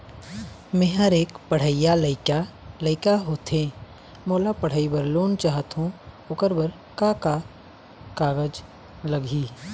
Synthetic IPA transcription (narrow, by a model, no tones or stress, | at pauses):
mẽɦəɾeːkpəɽ̤əɪjaləɪkaləɪkaɦoːt̪ʰẽː | moːlapəɽ̤əibəɾloːnt͡ʃaːɦət̪ɦũ | ʊkəɾbəɾ | kaka | kaːɡəd͡ʒ | lɐɡʱiː